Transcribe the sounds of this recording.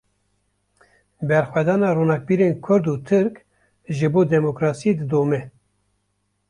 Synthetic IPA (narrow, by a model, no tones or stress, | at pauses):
bɛɾxʷwɛd̪ɑːnɑːɾoːnɑːk̚biːɾeːnkʰʊɾd̪uːt̪ʰɨɾk | ʒɨboːd̪ɛmokɾɑːsijed̪ɨd̪oːmɛ